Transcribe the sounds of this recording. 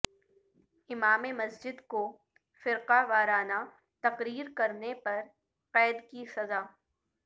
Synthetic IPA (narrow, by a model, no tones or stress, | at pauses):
ɪmaːmemɐsd͡ʒɪd̪ko | fɪɾqaʋaːɾaːna | t̪ɐqɾiːɾkɐɾnepɐɾ | qɛːd̪kisɐzaː